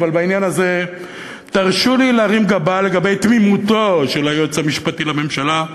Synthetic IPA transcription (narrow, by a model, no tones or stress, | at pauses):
valbainjanaze̞ | t̪aʁʃulilaʁimɡabale̞ɡabe̞jt̪mimut̪oʃelajot͡samiʃpatilame̞mʃala